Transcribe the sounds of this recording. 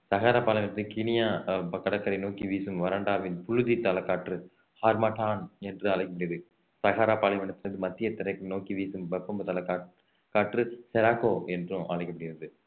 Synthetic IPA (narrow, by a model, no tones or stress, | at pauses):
sɐɣaːɾaːpaːlɐɪʋɐnɐt̪ːkinɪjaːkɐɽɐt̪ːɐɾɐɪnoːkiʋiːsɯmʋɐɾɐɳɖaːʋɪnpʊɻɯðit̪ɐlɐkːaːʈrɯ | haːɾmɐaʈaːnɛndrɯɐɭɐɪkːɐpɐɽɪjɐðɯ | sɐɣaːɾaːpaːlɐjʋɐnɐt̪ːɯnɐðɯmɐt̪ːɪjɐt̪ːɪɾɐɪkːnoːkiʋiːsɯmbɐkːɐmbɐt̪ɐlɐkː | kːaːʈrɯsɛɾaːkoːɛndrɯ̃ʔa̰ɭɐɪkːɐpɐɽɪjɪɾɐðɯ